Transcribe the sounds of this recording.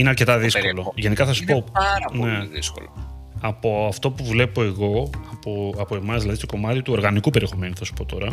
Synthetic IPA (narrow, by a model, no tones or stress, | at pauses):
ineɐɾce̞t̪ɐðisoloʝe̞nikɐθɐsu̥poɐɾɐpnoeiðisko̰lo | ɐpo̞ɐft̪o̞puvle̞po̞eɣo̞ɐpoɐpoe̞mɐzðilɐðist̪o̞ko̞mɐt̪it̪uo̞ɾɣɐnikupe̞ɾie̞xo̞me̞nuθɐsu̥po̞t̪o̞ɾɐ